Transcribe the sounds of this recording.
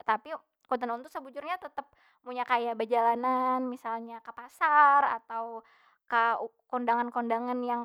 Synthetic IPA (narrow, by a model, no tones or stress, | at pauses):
t̪api | kut̪ənunt̪usəbud͡ʒʊrɲat̪ət̪əp̚ | muɲakajabəd͡ʒalananmisalɲakəpasara̰t̪aw | kakɔndaŋankɔndaŋanjaŋ